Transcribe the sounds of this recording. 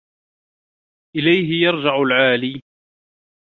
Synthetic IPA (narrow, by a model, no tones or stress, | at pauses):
ʔɪlajɦɪjɑɾˤd͡ʒaʕʊlʕaːliː